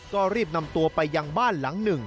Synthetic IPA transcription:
kɔː˥˩ɾiː˥˩p̚na˧mt̪u˧ɐpa˧jːaː˧ŋbaː˥˩nla˩˦ŋnɯ˨˩ŋ

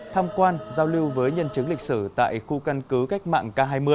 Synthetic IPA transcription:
t̪ʰaː˧mkwaː˧nzaː˧wli˧wvəː˨˦jɲə˧nt͡ɕɨ˨˦ŋlï˨˩k̟̚sɨ˧˩t̪a̰ː˧˨jxu˧ka˧nkɨ˨˦ka˦˥k̟̚ma̰ː˧˨ŋkaː˧ɦaː˧jmɨ˧əjj

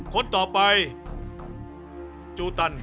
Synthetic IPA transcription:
kʰo˧˥nt̪ɔː˨˩pa˧j | t͡ɕuː˧t̪a˧n

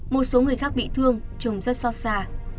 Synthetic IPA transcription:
mo˨˩t̚so˨˦ŋɨ˨˩əjxaː˦˥k̚ɓḭ˧˨t̪ʰɨ˧əŋt͡ɕə˨˩wŋ͡mzə˦˥t̚sɔ˧saː˧

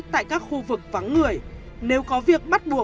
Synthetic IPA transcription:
t̪a̰ː˧˨jkaː˦˥k̚xu˧vɨ˨˩k̚va˨˦ŋːɨ˨˩əj | ne˨˦wkɔ˨˦vi˨˩ək̚ɓa˦˥t̚ɓu˨˩ə

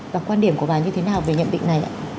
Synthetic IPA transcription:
vaː˨˩kwaː˧nɗi˧˩əmku˧˩əɓaː˨˩ɲɨ˧t̪ʰe˨˦naː˨˩wveː˨˩ɲə̰˧˨nɓḭ˧˨ŋna˨˩jʔa̰ː˧˨˦

